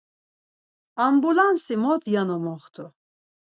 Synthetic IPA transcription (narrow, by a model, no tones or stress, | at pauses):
ambulansimɔt̪ʰjanɔmɔχt̪ʰu